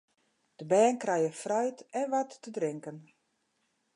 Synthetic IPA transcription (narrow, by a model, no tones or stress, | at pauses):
d̥əbɛːnkrɛjəfrœjtɛnʋatːədrɪŋkən